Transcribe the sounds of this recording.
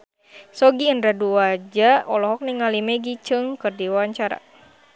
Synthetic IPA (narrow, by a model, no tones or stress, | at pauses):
sɔɡiːnɾaduwad͡ʒaɔlɔɦɔk̚niŋalimɛɡit͡ʃɨŋkɨrdiwaaɲt͡ʃaɾa̰